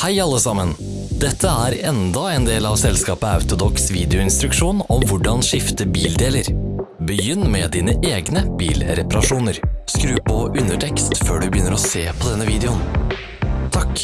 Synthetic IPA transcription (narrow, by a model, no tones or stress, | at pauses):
hæɪɑlːəsɑmən | d̪ɛt̪ʰːəæːɾɛnd̪ɑɛːnd̪eːlɑːʋsɛlskɑːpəɑ̰ʉt̪ʊd̪ɔksʋiːd̪ɛʊɪnst̪ɾʉkʂuːnɔmʋʊɖɑnʂɪft̪əbiːld̪eːləɾbəjʏnːmɛd̪iːnəʔeːɡnəb̥ḭːlɾɛpɑɾɑʂuːnəɾskɾʉːpɔʉnəʈʰɛkst̪føːɖʉbəjʏnːəɾɔseːpʰɔd̪ɛnːəʋiːd̪ɛʊn | t̪ʰɑk